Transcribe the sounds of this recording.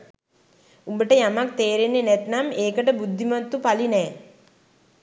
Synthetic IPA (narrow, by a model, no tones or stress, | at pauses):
umbəʈəjamak̚t̪eːɾenːenɛt̪nameːkəʈəbud̪ʱːimat̪ːupalinɛː